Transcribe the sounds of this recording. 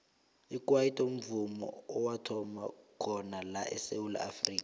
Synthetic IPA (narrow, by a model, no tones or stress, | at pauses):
ik̬ʼwaitʼum̩vumɔ̰ːwatʰɔmakʰɔnalaʔɛ̰sewula̰afriːkʼa